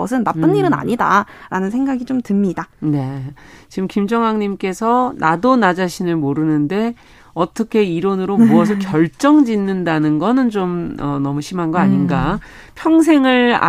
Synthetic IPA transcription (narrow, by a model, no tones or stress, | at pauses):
ʌsʰɯnːap͈ɯnːiɾɯna̰ɲida̰ɾanɯnsʰe̞ŋɡaɡit͡ɕomtɯmɲidane̞t͡ɕiɡɯmkimd͡ʑʌŋɦaŋɲimk͈e̞sʰʌnʔadonad͡ʑaɕʰinɯɭmoɾɯnɯnde̞ | ʌt͈ʌkʰe̞iɾonɯɾomuʌs̬ʰʌkjʌɭt͡ɕ͈ʌŋd͡ʑinːɯndanɯnɡʌnɯnt͡ɕomʌnʌmuɕʰimɦanɡʌaɲinɡapʰjʌŋs̬ʰe̞ŋɯɭa̰